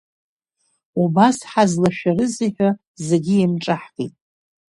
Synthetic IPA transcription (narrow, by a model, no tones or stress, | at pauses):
ubasħazlaʃᶣaɾɨziħᶣa | zeɡʲiimʈ͡ʂʼaħkʼḭtʼ